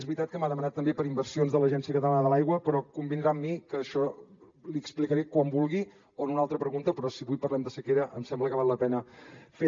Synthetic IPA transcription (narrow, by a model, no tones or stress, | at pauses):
zβɾit̪at̪̚kəmaðəmənat̪ːəmbepəɾimbərsionzðələʒɛnsiəkət̪əlanəðəlajɣwəpɾɔkumbind̪ɾamːikəːʃɔ | liəksplikəɾekwambulˠɣi | oənunalˠt̪ɾəpɾəɣunt̪əpɾɔsiβujpərlɛmd̪əsəkeɾəʔəmsɛmbləkəβalˠləpɛnəfe